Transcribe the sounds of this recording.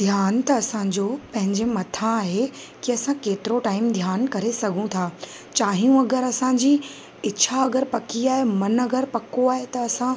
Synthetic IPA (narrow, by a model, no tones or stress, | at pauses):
d̪ʱjaːnt̪ɐːsã̆d͡ʑoːpɐ̃ɦɪ̃ɲd͡ʑemɐt̪ʰãaːɦe | kiɐsãkeːt̪ɪɾoʈaːɪmd̪ʱjaːnkɐɾesɐɡʱũt̪ʰaː | t͡ɕaːɦijũɐɡəɾɐsãd͡ʑiː | ɪt͡ɕʰaɐɡəɾpɐkiaːɦemɐnɐɡəɾpɐkoaːɦet̪ɐɐsã